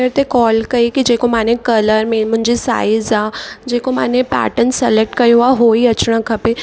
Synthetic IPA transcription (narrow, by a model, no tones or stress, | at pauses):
eɾt̪ekɔːlkɐikid͡ʒeːkomaːnekɐləɾmemʊ̃nd͡ʒesa̰ːɪzaːd͡ʒeːkoma̰ːnepɛ̰ːʈənsəlek̚ʈkɐjɦuaɦoːiɐt͡ʃɽ̃ãkʰɐpe